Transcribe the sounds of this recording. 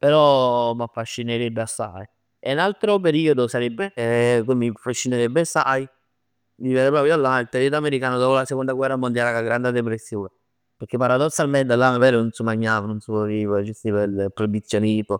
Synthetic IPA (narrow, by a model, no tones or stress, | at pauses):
peɾɔmafːaʃːineɾebːeasːa̰j | enalt̪ɾop̬eɾiːod̪osaɾebːekomːiafaʃːineɾebːeasːaj | viːvɛɾepɾɔːpjoalːailt̪eɾed̪ameɾikaːnod̪ɔːpolasekond̪aɡwɛrːamond̪jalakaɡɾand̪ed̪epɾesːjoːne | peɾkepːaɾad̪osːalmɛnd̪alːamaβɛlenonsumaɲːaːvanonsuoɾivad͡ʒust̪ipelpːɾobit̪sːjonip̪o